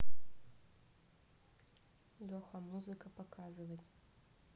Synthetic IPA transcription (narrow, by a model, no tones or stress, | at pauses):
lɔχʷɐmuzɨkʰɐpʰokʰaːzɨvɐjtʼ